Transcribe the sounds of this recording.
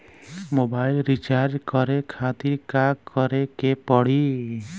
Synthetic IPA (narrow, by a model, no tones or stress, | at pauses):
mobajlɾit͡ʃaɾd͡ʒkɔɾekʰat̪iɾkakɔɾekepɔɽ̤i